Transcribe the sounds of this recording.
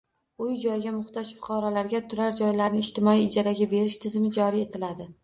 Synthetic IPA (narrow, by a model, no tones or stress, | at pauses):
ʊjd͡ʒɒjɡʲamʊχt̪ɒʃfʊ̥qʰɑɾɒlaɾɡʲat̪ʰʊɾaɾd͡ʒɒjlaɾnɪːʃt̪ɪmɒiːd͡ʒaɾaɡʲabe̞ɾɪʃt̪ʰɪzɪmɪd͡ʒɒɾije̞t̪ʰɪlad̪ɪ